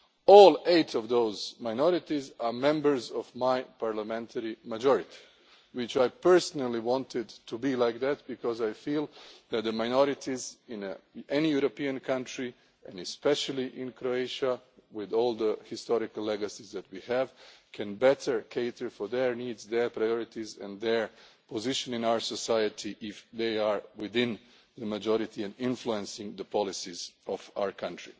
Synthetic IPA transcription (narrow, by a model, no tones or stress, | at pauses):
ɔlˠeɪtʰɔvðoʊzmaɪnɔɾɪtizamɛ̃mbə˞zɔvmajpaɹləmɛ̃ntʰəɹimad͡ʒɔɹɪt̪ʰi̥ | wɪt͡ʃajpɛ˞sɔnalˠiwɑ̃ntɪdtʰubilaɪjk̚ðæt̪̚bikɔzajfilˠðæt̪̚d̪əmajnɔɾɪt̪izɪ̃nʔɛnijuɾopiɨ̃nkʰãntɹi | ʔɛ̃nɛspɛʃəlˠiʔɪ̃nkɾoeɪʃawɪðɔlˠd̪əhɪstɔɾɪkalˠlːɛɡəsizðæt̚wihævkʰɛ̃nbɛtʰə˞kʰeɪtə˞fɔðɛɹniːdzd̪ɛɹpɾajɔɹɪtizɛ̰̃nðɛɹpɔzɪʃɔ̃nɪ̃naʊə˞sɔsajət̪ʰiʔɪfðeɪaɹwɪðɪ̃n | ðəmad͡ʒɔɾɪt̪iɛ̃nɪ̃nfluɛ̃nsɪ̃ŋðəpɔlɪsizɔfa̰ə˞kʰãntɹi